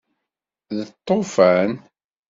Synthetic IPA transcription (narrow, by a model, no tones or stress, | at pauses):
ðət̪ˤːofæn